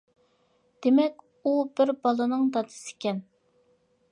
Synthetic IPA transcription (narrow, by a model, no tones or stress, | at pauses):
d̪̥emɛkʲ | ubɪɾbɑlˠɨnɨŋd̪ɑd̪ɨ̥sɪ̥kʲɛn